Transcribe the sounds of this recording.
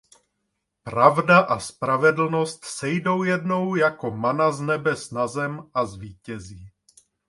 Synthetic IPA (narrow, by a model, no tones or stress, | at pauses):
pɾavdaʔaspɾavɛdl̩no̞st̪sɛjdo̞wjɛdno̞wjako̞manaznɛbɛsnazɛmʔazviːcɛziː